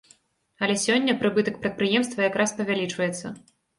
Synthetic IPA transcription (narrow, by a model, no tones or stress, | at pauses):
ɐlʲɛsʲɔnʲːɐpɾɨbɨt̪ɐkpɾɐt̪̚pɾɨjɛmst̪vɐjakɾaspɐvʲalʲit͡ʂvɐjɛt̪sːɐ